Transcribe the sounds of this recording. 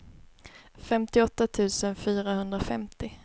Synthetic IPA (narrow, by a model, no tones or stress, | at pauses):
fɛmt̪ɪɔt̪ːat̪ʰʉ̟ːsənfyːɾahɵnd̪ɾafɛmt̪ɪ